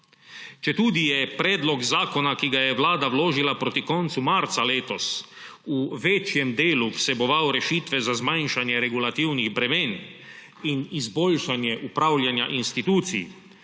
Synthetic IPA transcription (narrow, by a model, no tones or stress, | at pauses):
t͡ʃɛt̪uːd̪ijɛpɾɛːd̪lɔɡzaːkɔnakiɡajɛwlaːd̪awloːʒilapɾoːt̪ikɔnt̪sumaɾt̪saleːt̪ɔs | uʋɛt͡ʃjɛmd̪eːlupsɛbɔʋawɾɛʃiːt̪ʋɛzazmajnʃanjɛɾɛɡulat̪iwniɣbɾɛmeːn | inizboːlʃanjɛʔupɾaːwlʲjanja̰ʔinst̪it̪uːt̪sḭj̰